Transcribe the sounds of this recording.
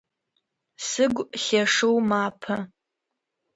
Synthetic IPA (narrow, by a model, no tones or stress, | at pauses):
sɨɡʷχʲɐʂɨwmaːpʰɐ